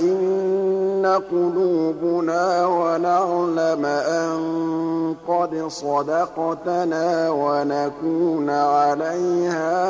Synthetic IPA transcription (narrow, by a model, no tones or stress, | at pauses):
ʔɪnː | aqʊluːbʊnaːwanaʕlamaʔaŋqɑd̪ɪsˤɑd̪ɑqɑt̪naːwanakuːnʕalajhaː